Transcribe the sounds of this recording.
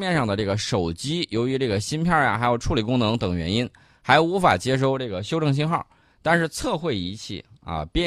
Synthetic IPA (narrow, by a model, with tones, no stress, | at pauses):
mjɛ˥˧nʂɑ˥˩ŋd̪ə˩ʈ͡ʂɤ˥˩ɡə˩ʂo˨˩ʊt͡ɕi˥jo˧˥ʊy˧˥ʈ͡ʂɤ˥˩ɡə˩ɕi˥npʰjɑ˥˩ʊja̰˩xa˧˥ɪjo˨˩ʊʈ͡ʂʰu˥˩li˨˩kʊ˥ŋnɤ˧˥ŋt̪ɤ˨˩ŋɥɛ̰˧˥ni˥n | xa˧˥ɪju˧˥fa˨˩t͡ɕjɛ˥ʂ̬o˥˧ʊʈ͡ʂɤ˥˩ɡə˩ɕjo˥ʊʈ͡ʂɤ˥˧ŋɕ̬i˥ŋxɑ̰˥˩ | t̪a˥˧nʂɻ̩˥˧t͡sʰɤ˥˧xwe˥˩ɪi˧˥t͡ɕʰḭ˥˩ɐ̰˧pjɛ˥˧